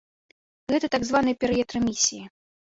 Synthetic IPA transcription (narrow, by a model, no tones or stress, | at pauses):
ɣɛt̪ɐt̪aɡzvanɨjɐpʲɛɾɨjɛt̪ɾɐmʲisʲiji